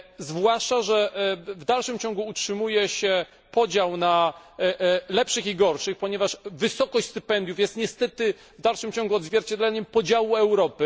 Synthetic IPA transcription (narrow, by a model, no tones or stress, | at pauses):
zvwaʂt͡ʂaʐɛvd̪alʂɘmt͡ɕɔ̃ŋɡuːtʂɘmujɛɕɛ | pɔd͡ʑawna | lɛpʂɘxiɡɔɾʂɘxpɔɲɛvaʂvɘsɔkɔɕt͡ɕʲst̪ɘpɛnd̪jufjɛst̪ɲɛst̪ɛt̪ɘ | vd̪alʂɘmt͡ɕɔŋɡuɔd̪zvʲjɛɾt͡ɕɛd̪lɛɲɛmpɔd͡ʑawuɛwɾɔpɘ